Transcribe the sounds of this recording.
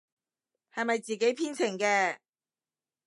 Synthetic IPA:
hɐ˨jmɐ˨jt͡siː˨˩ke˨˥jpʰiː˥nt͡sʰɪ˨˩ŋkɛː˧

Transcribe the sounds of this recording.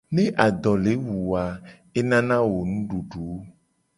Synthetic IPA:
ne˦ʔa˨d̪ɔ˨le˨˦wu˨wa˨ | e˦nã˦nã˦wo˨nũ˦ɖu˨ɖu˨o˦

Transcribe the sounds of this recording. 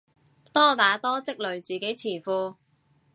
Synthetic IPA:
t̪ɔː˥t̪aː˨˥t̪ɔː˥t͡sɪ˥k̚lɵ˨ɥt͡siː˨ke˨˥jt͡sʰiː˨˩fuː˧

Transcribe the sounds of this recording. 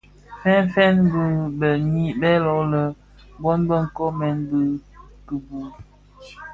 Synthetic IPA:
fɛ˦nfɛ˦nbə˦bə˨ɲi˦bɛ˦lɔ˨lə˨ | bɔ˦nbə˦˨ŋ̩˨kɔ˦mɛ˨˦nbɨ˦ | kɨ˨bu˨

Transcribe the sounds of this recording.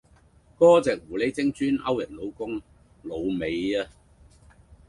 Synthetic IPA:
kɔː˥t͡sɛː˨k̚wuː˨˩le˨˥jt͡sɪ˥ŋt͡ʃyː˥nɐ̰˥wjɐ˨t̚lo˨˧wkʊ˥ŋ | lo˨˧wme˨jaː˦˧

